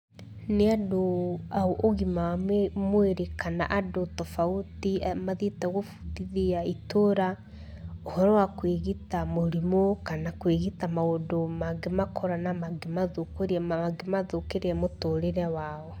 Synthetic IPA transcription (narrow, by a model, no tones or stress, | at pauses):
neadoaoʔoɣimamweɾekʰana̰ʔadotɔfautiamaðitaɣofuðiðiaitoɾa | ohɔɾɔwakweɣitamoɾimokanakweɣitamaodomaɡemakʰɔɾanamaɡemaðokoɾaaɡemaðokeɾeɛmotoɾeɾɛwaɔ